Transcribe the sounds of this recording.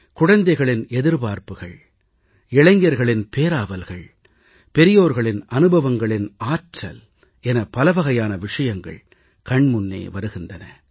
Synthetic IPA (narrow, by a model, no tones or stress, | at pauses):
kʊɽɐnd̪ɐɪɣɐɭɪnɛðɪɾpaːɾpɯɣɐ̰ɭ | ɪɭɐŋɡɐɾɣɐɭɪnpeːɾaːʋɐlɣɐɭ | pɛɾɪjoːɾɣɐɭɪnʔɐnɯbɐʋɐŋɡɐɭɪnaːʈrɐ̰l | ɛnɐpɐlɐʋɐɣɐjaːnɐʋɪʂɐjɐŋɡɐ̰ɭ | kɐɳmʊnːḛːʋɐɾɯɣɪndɐnɐ